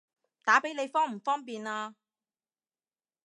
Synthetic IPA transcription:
t̪aː˨˥pe˨˥jne˨˧jfɔː˥ŋm̩˨˩fɔː˥ŋpiː˨naː˧

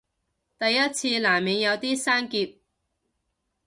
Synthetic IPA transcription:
t̪ɐ˨jːɐ˥t̚t͡sʰiː˧laː˨˩mmiː˨˧ŋjɐ˨˧wt̪iː˥saː˥nkiː˧p̚

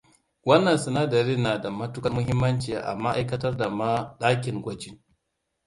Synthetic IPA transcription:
wɐ˦nːɐ˨nsʊ˨naː˦dɐ˨ɾi˦nːaː˨da˨mɐ˦tʊ˦kɐ˦mʊ˦ɦɪ˦mːɐ˦nt͡ʃe˨a˦˨ʔa̰˨ma˦ʔa˦jkɐ˦tɐ˦rda˨ma˦ɗaː˦kʲɪ˨ŋɡʷɐ˦d͡ʒɪ˦ŋ

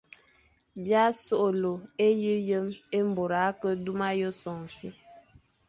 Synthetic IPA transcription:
bja˦so˦ʔo˨lo˨e˦ji˦jə˦me˦m˦bo˨ɾa˨˦kə˦du˦ma˦jə˦sɔ˨ŋ˨si˦

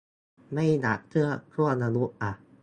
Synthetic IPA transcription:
ma˥˩jna˨˩k̚t̪ʰɯ˥˩ɐkʰɾu˥˩əna˧nu˦˥ʔʔa˨˩

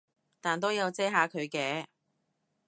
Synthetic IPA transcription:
t̪aː˨˩nt̪o˥wjɐ˨˧wt͡sɛː˥ɦaː˨˧kʰɵ˨˧ɥkɛː˧

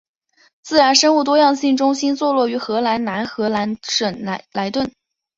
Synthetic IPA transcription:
t͡sɹ̩˥˩ɻa˧˥nʂə˥nu˥˩t̪wɔ˥jɑ˥˧ŋɕi˥˩ŋʈ͡ʂʊ˥ŋɕi˥nt͡swɔ˥˧lwɔ˥˩y˧˥xɤ˧˥la˧˥nna˧˥nxɤ˧˥la˧˥nʂə˨˩n˧˥la˧˥ɪt̪wə˥˩n

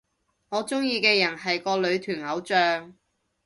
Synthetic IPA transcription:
ŋɔː˨˧t͡sʊ˥ŋjiː˧kɛː˧jɐ˨˩nɦɐ˨jkɔː˧lɵ˨˧ɥt̪ʰyː˨˩nɐ˨˥wt͡sœː˨ŋ

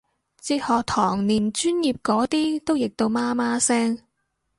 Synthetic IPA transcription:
t͡siː˧k̚hɔː˨˩k̚t̪ʰɔː˨˩ŋniː˨˩nt͡ʃyː˥njiː˨p̚kɔː˨˥t̪iː˥t̪o˥wjɪ˨k̚t̪o˧wmaː˥maː˥sɛː˥ŋ

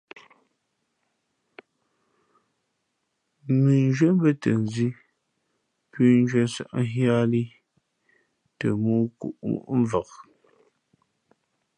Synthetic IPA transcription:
mi˨n˦d͡ʒɥə˦m˦bə˦tə˨n˨zi˦ | pʉ˦n˦d͡ʒɥə˦sa̰˨ʔ̩˦ɦja˦li˦ | tə˨mu˦kṵ˦˨ʔṵ˨ʔm̩˦və˨k̚

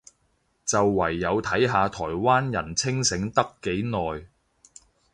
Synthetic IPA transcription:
t͡sɐ˨wːɐ˨˩jːɐ˨˧wt̪ʰɐ˨˥jɦaː˨˧t̪ʰɔː˨˩jwaː˥njɐ̰˨˩nt͡sʰɪ˥ŋsɪ˨˥ŋt̪ɐ˥kːe˨˥jnɔː˨j

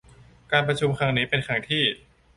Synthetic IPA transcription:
kaː˧npɾa˧t͡ɕʰu˧mkʰa˦˥ŋniː˦˥pe˧nkʰa˦˥ŋt̪ʰiː˥˩

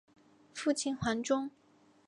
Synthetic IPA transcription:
fu˥˩t͡ɕʰi˥˩nxwa˧˥nʈ͡ʂʊ˥ŋ

